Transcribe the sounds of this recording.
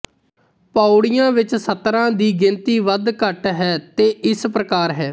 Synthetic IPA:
paːʊɽɪjãːʋɪt͡ʃsət̪ːɾãːd̪iːɡɪnt̪iːʋəd̪kəʈɦɛːt̪eːʔɪspɾəkaːɾɦɛː

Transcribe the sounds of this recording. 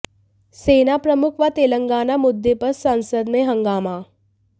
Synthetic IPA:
senapɾəmukʰʋat̪eːləŋɡaːnamud̪ʱːepəɾsansəd̪meɦəŋɡaːma

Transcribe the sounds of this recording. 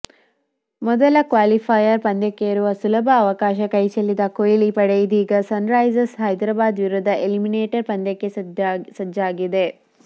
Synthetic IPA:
mɔd̪ɐlɐkʋaːlipʰajɐɾpɐnd̪ɐkːeɐɾuʋɐsulɐbʱɐːʋɐkaːʃɐkɐjt͡ʃelːid̪ɐkojilipɐɽejid̪iːɡɐsɐnɾɐjzɐsɦɐjd̪ɾaːbaːd̪ʋiɾud̪ʱːɐʔelimineːʈɐɾpɐnd̪ɐkːesɐd͡ʒaːɡid̪e̞

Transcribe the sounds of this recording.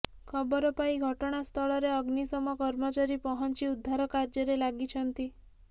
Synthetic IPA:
kʰɔbɔɾɔpaiɡʱɔʈɔɽ̃ast̪ʰɔɭɔɾeɔɡnisɔmɔkɔɾmɔt͡ʃaɾipɔɦɔnt͡ʃiud̪ʱːaɾɔkaɾd͡ʒɔɾelaɡit͡ʃʰɔnt̪i

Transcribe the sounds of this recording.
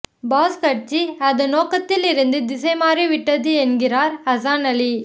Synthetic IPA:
baːskɐʈt͡ʃːiɐðɯnoːkɐt̪ːɪlɪɾɯnd̪ɯd̪ɪsɐɪmaːriʋɪʈːɐðɯɛnɡɪraːɾɐsaːnɐli

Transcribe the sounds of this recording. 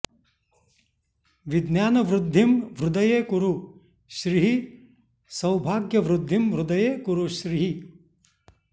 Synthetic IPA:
ʋɪd̪njaːnɐʋɾʊd̪ʱːimʋɾʊd̪ɐjeːkuɾu | ʃɾiɦi | sɐwbʱaːɡjɐʋɾʊd̪ʱːimʋɾʊd̪ɐjeːkuɾuʃɾiɦi

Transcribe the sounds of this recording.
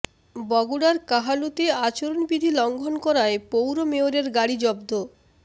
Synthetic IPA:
bɔɡuɽaɾkaɦalut̪eat͡ɕoɾonbid̪ʱilɔŋɡʱonkɔɾaepowɾomeoɾeɾɡaɽid͡ʑɔbd̪ʱo

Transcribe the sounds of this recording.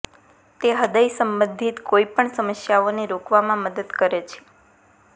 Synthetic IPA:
t̪eɦəd̪əjsəmbə̃nd̪ʱit̪koipəɳsəməsjaoneɾokʋamãməd̪əd̪kəɾet͡ʃʰe̥

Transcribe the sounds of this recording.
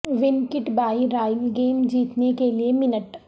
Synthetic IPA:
ʋɪnkɪʈbaːiɾaːɪlɡeːmd͡ʒiːt̪nekeliemɪnəʈ

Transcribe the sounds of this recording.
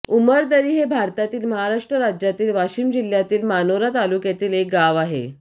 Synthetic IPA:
uməɾt̪əɾiːɦebʱaɾt̪at̪iːlməɦaɾaʂʈɾəɾad͡ʑjat̪iːlʋaɕiːmd͡ʑil̤jat̪iːlmanoɾat̪alukjat̪iːlek̚ɡaʋaɦḛ

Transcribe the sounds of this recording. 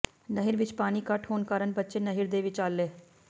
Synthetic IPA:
nəɦɪɾʋɪt͡ʃpaːniːkɐʈʰɦoːnkaːɾənbətːʃenəɦɪɾd̪eːʋɪt͡ʃaːlːeː

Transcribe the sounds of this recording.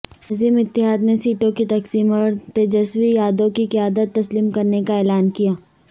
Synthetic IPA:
ziːmɪt̪ːɪɦaːd̪nesiːʈõkit̪ɐqsiːmat̪ed͡ʒəswijaːd̪õkiqɪjaːd̪ət̪ːɐsliːmkɐɾnekaɛːlaːnkijaː

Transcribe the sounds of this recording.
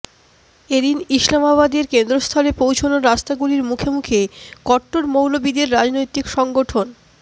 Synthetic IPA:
ed̪iniʃlamaβad̪eɾkend̪ɾost̪ʰɔlepowt͡ɕʰonoɾast̪aɡuliɾmukʰemukʰekɔʈːoɾmowlobid̪eɾːad͡ʑnojt̪ikʃɔŋɡoʈʰon

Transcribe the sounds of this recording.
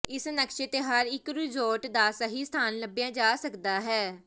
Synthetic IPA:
ɪsnəkʃet̪eɦəɾɪkɾuːd͡ʒɔːʈd̪aːsəɦiːst̪ʰaːnləbjãːd͡ʒaːsəkd̪aːɦɛː

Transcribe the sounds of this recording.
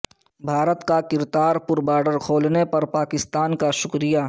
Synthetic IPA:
bʱaːɾət̪kakɪɾd̪aːɾpʊɾbaːɖəɾkʰoːlnepɐɾpaːkɪst̪aːnkaʃʊkɾɪjaː

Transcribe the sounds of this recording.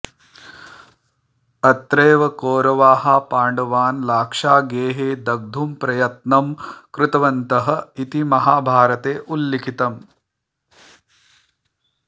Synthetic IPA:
ɐt̪ɾeːʋɐkoːɾɐʋaːɦapaːɳɖɐʋaːnlaːkʂaːɡeːɦeːd̪ɐɡ̚d̪ʱumpɾɐjɐt̪nɐmkɾɪt̪ɐʋɐnt̪ɐɦɐ̆it̪imɐɦaːbʱaːɾɐt̪eːʔulːikʰit̪ɐm

